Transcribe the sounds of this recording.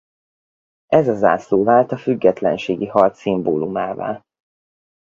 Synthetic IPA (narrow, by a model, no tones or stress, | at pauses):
ɛzɒza̰ːsloːvaːlt̪ɒfyɡːɛt̪lɛ̰nʃeːɡihɒrt̪simboːlumaːva̰ːl